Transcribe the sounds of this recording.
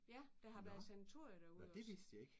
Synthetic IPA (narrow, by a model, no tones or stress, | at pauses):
jæd̥ɑ̈ɦɑ̈ʋæɐð̩ˠsænæt͡sʰo̝ɐ̰jəd̥æɐuðɒd̥e̝ʋe̝sd̥je̝ɡ̥